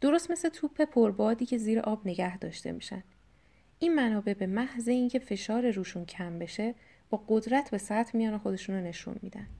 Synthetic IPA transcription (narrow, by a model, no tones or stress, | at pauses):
d̪̥o̞ɾo̞st̪me̞slet̪ʰuːpʰːe̞pʰoɾbɒːd̪iːcʰe̞ziːɾe̞̰ʔɒːbne̞ɟæhd̪ɒ̰ːʃt̪ḛmiːʃæ̰nd̪̥ | ʔinmænɒːbe̞be̞mæhzeincʰe̞fe̞ʃɒːɾe̞ɾuːʃuncʰæmbe̞ʃe̞ | b̥ɒːɡod̪ɾæt̪ʰbe̞sæt̪ʰmijɒːnexo̞d̪e̞ʃunone̞ʃṵnmḭːd̪ænd̪̥